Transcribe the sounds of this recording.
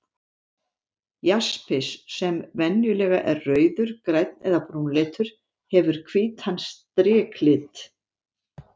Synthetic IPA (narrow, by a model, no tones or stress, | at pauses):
jaspɪsːɛmvɛnjʏlɛːɣaʔɛrːœːɥðʏɾkɾajt̪̚nɛðapɾuːnlɛːt̪ʏɾ̥ | hɛvʏɾ̥kʰviːt̪hanst̪ɾɛːkʰlɪt̪